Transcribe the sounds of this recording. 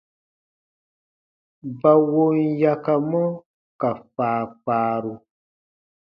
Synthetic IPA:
ba˨wo˦nja˦ka˧mɔ˦ | ka˨faː˨˦paː˦ɾu˧

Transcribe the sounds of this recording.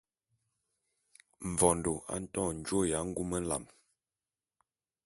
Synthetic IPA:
ɱ̩˨vɔ˨n˨do˨a̰˦n̩˦tɔ̃˦˨n̩˨d͡ʒwo˦˨ja˨˦ŋ̩˦ɡu˦mə˦n̩˦la̰˨m

